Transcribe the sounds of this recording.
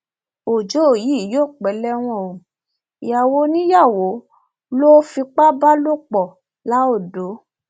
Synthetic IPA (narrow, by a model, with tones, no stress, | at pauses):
o˨d͡ʒo˨˦o˦˨ji˨˦˨jo˦˨k͡pɛ˨˦lɛ˦w̃ɔ̃˦˧˨o˨ | ja˨wo˨˦nĩ˦ja˦˨wo˨˦ | lo˦fi˧k͡pa˦ba˦lo˦˨k͡pɔ˨ | la˨˦o˦˨do˨˦